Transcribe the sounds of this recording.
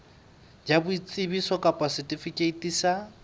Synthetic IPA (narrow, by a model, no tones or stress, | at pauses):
d͡ʒabʊit͡sʼɪbisɔkʼapʼasɛtʼifikʼeitʼisa